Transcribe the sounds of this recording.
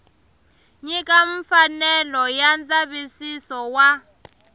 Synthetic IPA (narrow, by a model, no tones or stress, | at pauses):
ɲikʼaɱfanɛlɔjand͡zaɓisisɔwa